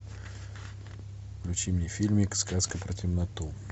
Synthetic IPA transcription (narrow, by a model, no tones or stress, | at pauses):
vlʲʊt͡ɕimnʲɪfʲilʲmʲɪkskaskəpɾətʲɪmnɐt̪u